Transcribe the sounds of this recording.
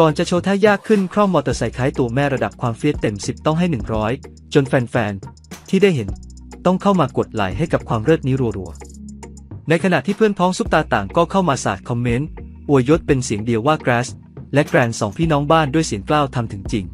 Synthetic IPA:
kɔː˨˧nt͡ɕa˨˩t͡ɕʰoː˧t̪ʰaː˥˩jaː˥˩kʰːɯ˥˩nkʰɾɔː˥˩ŋmːɔː˧t̪ɤː˧˩sa˨˩jkʰaː˦˥jt̪u˧ɐmɛː˥˩ɾa˧da˨˩p̚kʰwaː˧mfi˦˥t̪ːe˧msi˨˩p̚t̪ɔ˥˩ŋɦa˥˩jnɯ˨˩ŋɾɔː˦˥j | t͡ɕo˧nfɛː˧nfɛː˧n | t̪ʰiː˥˩daː˥˩jɦe˩˦n | t̪ɔ˥˩ŋkʰa˥˩wmaː˧ko˨˩t̪̚la̰˨˩˦jɦa˥˩jka˨˩p̚kʰwaː˧mɾɤː˥˩t̪̚niː˦˥ɾu˧əɾu˧ɐ | na˧jkʰa˧na˨˩t̪ʰiː˥˩pʰɯ˥˩ənt̪ʰɔː˦˥ŋsu˦˥t̪aː˧t̪a̰ː˨˩ŋkɔː˥˩kʰa˥˩wmaː˧sa̰ː˨˩t̪̚kʰɔ˧mːe˦˥n | ʔu˧jo˦˥t̪̚pe˧nsi˨˩˦ŋdi˧əwːaː˥˩kɾɛː˦˥s | lɛ˦˥ʔkɾɛː˧nsɔː˩˦ŋpʰiː˥˩nɔː˦˥ŋbaː˥˩ndu˥˩əjsi˨˩˦əŋklaː˥˩wt̪ʰa˧mt̪ʰɯ˩˦ŋt͡ɕi˧ŋ

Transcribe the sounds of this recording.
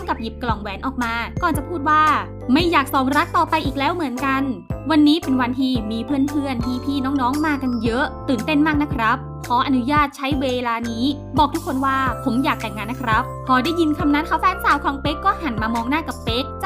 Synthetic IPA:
mka˨˩p̚ji˨˩p̚klɔ˨˩ŋwɛː˩˦nʔɔː˨˩k̚maː˧kɔː˨˩nt͡ɕa˨˩pʰuː˥˩t̪̚waː˥˩ | ma˥˩jːaː˨˩k̚sɔː˨˦ŋɾa˦˥t̪ːɔː˨˩pa˧jʔiː˨˩k̚lɛː˦˥wmɯ˨˩˦ənka˧nwa˧nːiː˦˥pe˧nwa˧nt̪ʰiː˧˩miː˧pʰɯ˦˥˩ənpʰɯ˥˧˩ənt̪ʰiː˧pʰiː˧˥˩nɔː˦˥ŋnɔː˦˥ŋmaː˧˩ka˧njɤ˦˥ʔt̪ɯː˨˩nt̪e˥˩nmaː˥˩k̚na˦˥kʰɾa˦˥p̚kʰɔː˩˦ʔa˧nu˦˥jaː˥˩t̪̚t͡ɕʰa˦˥jweː˧laː˧niː˦˥ | bɔː˨˩k̚tʰu˦˥kʰːo˧nwaː˥˩pʰo˩˦mjaː˨˩k̚t̪ɛː˨˩ŋːaː˧nːa˦˥kʰɾa˦˥p̚kʰɔː˨˦daː˥˩ji˧nkʰa˧mnaː˦˥kʰa˧˩fɛː˦˥nsaː˧˩wkʰɔː˧ŋpe˦˥kːɔː˥˩ha˩˦nmaː˧mɔː˧ŋnaː˥˩ka˨˩pːeː˦˥k̚

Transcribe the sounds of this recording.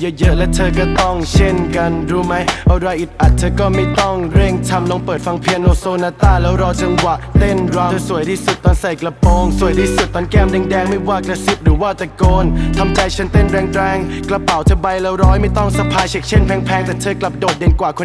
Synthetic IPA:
jɤ˦˥jɤ˦˥ʔlɛː˦˥wt̪ʰɤː˧kɔː˥˩t̪ɔ˥˩ŋt͡ɕʰe˥˩nka˧nɾuː˨˦˥ma˦˥jʔa˧wɾa˧jʔi˨˩t̪̚ʔa˨˩t̪̚ʰːɤː˧kɔː˥˩ma˥˩jt̪ɔ˥˩ŋɾe˥˩ŋt̪ʰa˧mlo˧ŋpɤː˨˩t̪̚fa˧ŋpʰi˧ənːoː˧soː˧naː˧˥t̪aː˧˩lɛː˦˥wɾɔː˧t͡ɕa˧ŋwa˨˩ʔt̪e˥˩nɾɔː˧ɤː˧su˨˩əjt̪ʰiː˥˩su˨˩t̪̚ːɔː˧nsa˨˩jkla˧poː˧ŋsu˨˩əjt̪ʰiː˥˩su˨˩t̪̚ːɔː˧nkɛː˥˩mdeː˧ŋdɛː˧ŋma˥˩jwaː˥˩kla˧si˨˦˩p̚ɾɯː˩˦waː˥˩t̪ɛː˨˩koː˧nt̪ʰa˧mt͡ɕa˧jt͡ɕʰa˦˥nt̪e˥˩nɾɛː˧ŋɾɛː˧˩ŋkla˧pa˨˩˦wt̪ʰa˧ba˧jlɛː˦˥wɾɔː˦˥jma˥˩jt̪ɔ˥˩ŋsa˧pʰaː˧jt͡ɕʰi˨˦˩k̚t͡ɕʰe˥˩npʰɛː˧˥ŋpʰɛː˧ŋt̪ɛː˨˩t̪ʰɤː˧kla˨˩p̚doː˨˩t̪̚de˧nkwaː˨˩kʰo˧

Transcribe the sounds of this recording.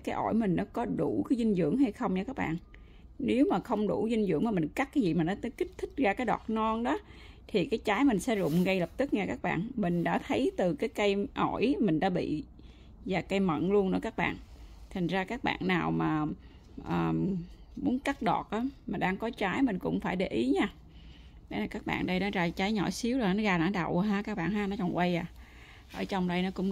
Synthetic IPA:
kaː˨˦jʔo̰˧˩jmï˨˩ŋ̟nɔ˨˦kɔ˨˦ɗu˧˩kɨ˨˦jzi˧ŋ̟zɨ̰˧˥əŋha˧jxə˧wŋ͡mɲa˧kaː˦˥k̚ɓa̰ː˧˨n | ne˨˦wmaː˨˩xə˧wŋ͡mɗu˧˩zi˧ŋzɨ̰˧˥əŋmaː˨˩mï˨˩ŋ̟ka˦˥t̚kːaː˨˦jzi˨˩maː˨˩nɔ˨˦t̪ə˨˦ki˦˥t̪ʰï˦˥k̟̚zaː˧kaː˨˦jɗɔ̰˨˩t̚nɔ˧nɗɔ˨˦ | t̪ʰi˨˩kaː˨˦jt͡ɕaː˨˦jmï˨˩ŋ̟sɛ˧˥zʊ̰˧˨ŋ͡mɣə˧jlə˨˩p̚t̪ɨ˦˥k̚ŋɛː˧kaː˦˥k̚ɓa̰ː˧˨nmï˨˩ŋ̟ɗa̰ː˧˥t̪ʰə˨˦jt̪ɨ˨˩kaː˨˦jkə˧jʔɔ˧˩jmï̟˨˩ɗa̰ː˧˥ɓḭ˧˨ | vaː˨˩kə˧jmə̰˧˨nlu˧ənːɨ̰˧əkaː˦˥k̚ɓa̰ː˧˨nt̪ʰa˨˩ŋ̟zaː˧kaː˦˥k̚ɓa̰ː˧˨nːaː˨˩wmaː˨˩ | ʔəː˨˩mu˨˦ənka˦˥t̚ɗɔ̰˨˩t̚ʔaː˨˦maː˨˩ɗaː˧ŋkɔ˨˦t͡ɕaː˨˦jmï˨˩ŋ̟kʊ̰˧˥ŋ͡mfaː˧˩jɗe˨˩ʔi˨˦ɲaː˧ | ɗə˧naː˨˩kaː˦˥k̚ɓa̰ː˧˨nɗə˧jnɔ˨˦zaː˧t͡ɕa˨˦jɲɔ̰˧˩si˨˦əwlɔ˨˩nɔ˨˦ɣaː˧˩naː˧˥ɗə̰˨˧˨wʔɦaː˧kaː˦˥k̚ɓa̰ː˧˨nɦaː˧nɔ˨˦t͡ɕɔ˨˩ŋkwa˧jaː˨˩ | ʔəː˧˩t͡ɕɔ˧wŋ͡mɗə˧jnɔ˨˦kʊ̰˧˥ŋ͡m

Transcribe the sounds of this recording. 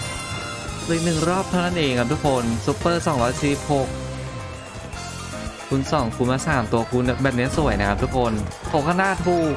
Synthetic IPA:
li˨˩nɯ˨˩ŋɾɔː˥˩p̚t̪ʰa˥˩wna˥˩nʔeː˧ŋkʰa˦˥p̚t̪ʰuː˦˥kʰo˧nsuː˦˥pːɤː˥˩sɔ˨˩˦ŋɾɔː˦˥jsiː˨˩si˨˩p̚ho˨˩k̚ | u˧nsɔ˨˩˦ŋkʰu˧nmaː˧˥˩saː˨˩˦mt̪u˧ɐkʰu˧n˩bɛː˨˩ni˦˥ɐsu˨˩əjna˦˥kʰa˦˥pt̪ʰuː˦˥kʰo˧nʰo˨˩˦k̚ʰːa˥˩naː˥˩t̪ʰuː˧˩k̚

